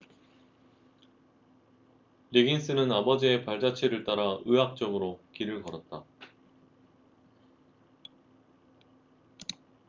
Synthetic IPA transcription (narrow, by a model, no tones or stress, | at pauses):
ɾiɡins͈ɯnɯnabʌd͡ʑie̞paɭd͡ʑat͡ɕʰiɾɯɭt͈aɾaɯɦak̚t͡ɕ͈ʌmɯɾokiɾɯɭkʌɾʌt̚t͈a